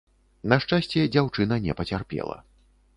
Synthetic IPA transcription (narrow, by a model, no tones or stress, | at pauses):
nɐʂt͡ʂasʲt͡sʲɛd͡zʲawt͡ʂɨnɐnʲɛ̰pɐt͡sʲarpʲɛ̰lˠɐ̰